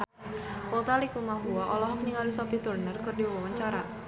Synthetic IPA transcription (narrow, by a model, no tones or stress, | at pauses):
wɔt̪alikumaɦuaɔlɔɦɔk̚niŋalisɔpit̪urnərkɨrdiawawaɲt͡ʃaɾa